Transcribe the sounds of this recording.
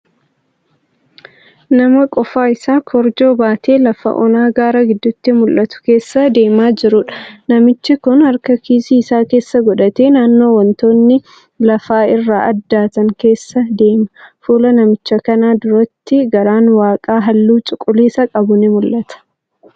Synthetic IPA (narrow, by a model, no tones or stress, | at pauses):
nɐmɐkʼɔfaːɪsaːkʰɔɾd͡ʒo̞ːbaːt̪ʰe̞ːlɐfɐ̰ʔɔ̰naːɡaːɾɐɡɪd̪ːʊt̪ːɪmʊlʔɐt̪ʊ̥ke̞ːsːɐd̪e̞ːmaːd͡ʒɪɾʊᶑɐ̥nɐmɪt͡ʃːɪkʊnhɐɾkɐkiːsiːɪsaːke̞ːsːɐɡɔᶑɐt̪e̞ːnaːnːo̞ːwɐnt̪o̞ːnːɪ | lɐfaːɪrːaːɐd̪ːaːt̪ɐŋke̞ːsːɐd̪e̞ːmɐfuːlɐnɐmɪt͡ʃːɐkɐnaːd̪ʊɾɐt̪ːɪɡɐɾaːnwaːkʼaːɦɐlːuːt͡ʃʼʊkʼːʊliːsɐkʼɐbʊnɪmʊlʔɐt̪ɐ̥